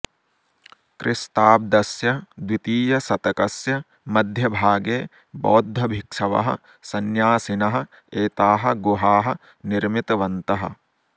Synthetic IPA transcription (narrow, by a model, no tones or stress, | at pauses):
kɾʔɪst̪aːb̚d̪ɐsjɐd̪wit̪iːjɐsɐt̪ɐkɐsjɐ | mɐd̪ʱjɐbʱaːɡeː | bɔːd̪ʱːɐbʱikʂɐʋɐ̰ɦɐ̰̆ | sɐnjaːsinɐɦɐ̆ | eːt̪aːɦɐ̆ɡuɦaːɦɐ | niɾmit̪ɐʋɐnt̪ɐɦɐ̰̆